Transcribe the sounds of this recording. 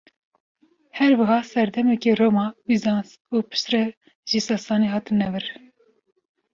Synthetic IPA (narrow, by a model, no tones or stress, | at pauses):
hɛɾwɨɦɑːsɛɾd̪ɛmɛkeromɑːwizɑns | uːpʰɨ̥ʃt̪rɛ | ʒisɑsɑːneɦɑːt̪ɨnːɛvɨɾ